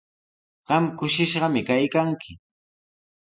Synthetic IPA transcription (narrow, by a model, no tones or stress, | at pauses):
ɢ̥ɑmkʊʃɪʃɢɑmɪkajkaŋkʰɪ